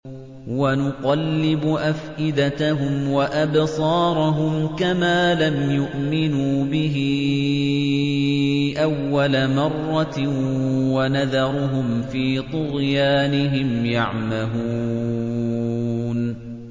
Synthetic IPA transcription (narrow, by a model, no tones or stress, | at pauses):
wanʊqɑlːɪbʊʔafʔɪd̪at̪aɦʊmwaʔabsˤɑːɾˤʊɦʊmkamaːlamjʊʔmɪnuːbɪɦɪ | ʔawːalamɑrˤːɑ | wanaðɑɾˤʊɦʊmfiːt̪ˤʊɾjaːnɪɦɪmjaʕmahuː | n